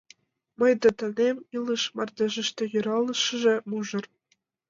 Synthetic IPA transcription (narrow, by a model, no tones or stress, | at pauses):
mɤ̆jd̪ɤ̆t̪ɤ̆nʲemʲilˠɯʃmɑrd̪ʲĕʒɘ̆ʃt̪ʲĕjyɾɑlˠɤ̆ʃɤ̆ʒĕmuʒɤ̆r